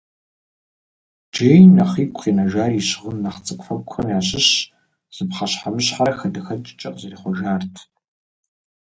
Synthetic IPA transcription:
d͡ʒeːjnɐχiːkʷʰʼχiːnɐʒaːriːɕʁənːɐχt͡sʼɨkʷʼfɐkʷʰxɐmjaːɕɪɕ | z̥ɨpχɐɕħamɨɕħaɾɐxɐdɐxɐt͡ʃʼt͡ʃʼɐqʼzɐriːχʷɔʒaːrtʰ

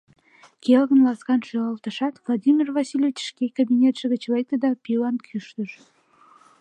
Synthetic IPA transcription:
kelɣənlɑskɑnʃyʁɑlt̪əʃɑt̪vlˠɑd̪ʲimʲirvɑsilʲevit͡ɕʃkekabʲinʲet̪ʃəɣət͡ɕlejk̚t̪əd̪ɑpʲilɑnkʰyʃt̪əʃ

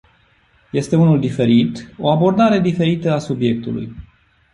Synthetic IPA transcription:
je̞st̪e̞unuld̪ife̞ɾit̪o̞abo̞rd̪aɾe̞d̪ife̞ɾit̪əasubje̞k̚t̪ulṵj

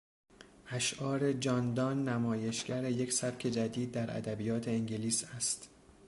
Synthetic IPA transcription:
ʔæʃʔɒːɾe̞d͡ʒɒːnd̪ɒnːæmɒːje̞ʃɡ̥æɾejecʰsæpcʰe̞d͡ʒæd̪iːd̪̚ːæɾʔæ̰d̪æbijɒːt̪ʰe̞eŋɟeliːsæst̪

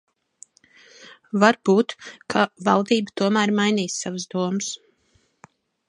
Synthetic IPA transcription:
vaɾb̥uːt̪kʰavalˠd̪iːbət̪uɔmæːɾmajniːsːavəsd̪uɔməs

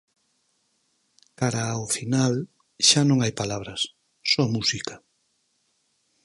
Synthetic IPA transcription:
kaɾaofinal | ʃanõŋajpalaβɾɐsː | ɔmusika

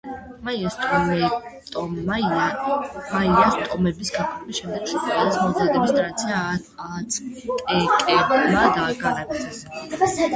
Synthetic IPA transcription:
maiast̪ʼɔmɛt̪ʼɔaiamaiast̪ʼɔmɛbisɡapʰʼɔbisʃɛmd̪ɛɡʃɔt̪ʰkʼɛlismɔzad̪ɛbisd̪ʼɾat̪sʰia | at̪sʰkʼɛkʼɛdmad̪aɡaɾab̪ʰɛs

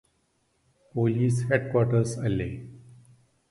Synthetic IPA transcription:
poːliːsheɖkwɔːʈəɾsəleː

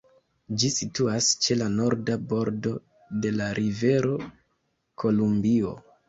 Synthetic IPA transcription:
d͡ʒisituast͡ʃe̞lano̞ɾdabo̞ɾdo̞ | de̞laɾʔive̞ɾo̞ | kʰo̞lumbio̞̰

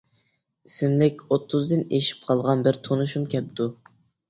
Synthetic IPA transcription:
isɪmlɪkʲot̪ʰːʊzd̪ɪneʃi̥p̚qʰɑlˠʁɑnbɪɾt̪ʰonuʃumkʲʰɛp̚t̪ʰu

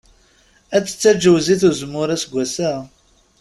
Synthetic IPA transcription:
æt͡sːə̥t͡sːæd͡ʒəwziθuzmʊɾæsɡʷæsæ

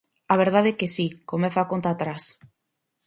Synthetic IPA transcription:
aβ̞eɾð̞að̞ekesikomẽθakont̪aːt̪ɾas

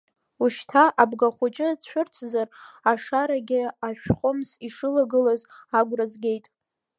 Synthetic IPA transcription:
uʃtʰaʔabɡaχʷʊt͡ʃʼɪt͡ɕʷʰʊrt͡sʰzaraʂaɾaɡʲɪaʃᶣχʷʼʊmziʂɨlaɡɨlazaɡʷrazɡʲe̞jtʼ

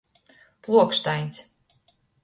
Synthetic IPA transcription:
plˠuɔkst̪ajnʲs

